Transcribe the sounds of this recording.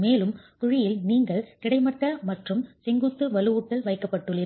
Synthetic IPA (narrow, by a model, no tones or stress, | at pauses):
meːlɯmt̪ʊɻɪjɪlniːŋɡɐɭkɪɽɐɪmɐʈːɐmɐʈrɯmsɛŋɡɯt̪ːɯʋɐlɯuːʈːɐlʋɐɪkːɐpːɐʈːɯɭːɪ